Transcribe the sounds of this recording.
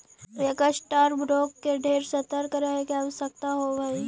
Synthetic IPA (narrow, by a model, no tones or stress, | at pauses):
ekasʈaːɾbɾoːkːeɖʱeːɾsət̪əɾkɾaekaʋsək̚t̪aɦobɐi